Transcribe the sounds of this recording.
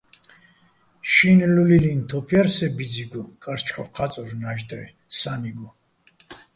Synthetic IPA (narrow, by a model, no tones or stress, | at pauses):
ʃinlulilint̪ʰɔpʰjaɾsɛbid̪d͡ziɡɔkʼaɾt͡ʃʰkʰɔqʰat͡s̪ʼɔɾnaʒd̪ɾɛ̰ | samiɡɔ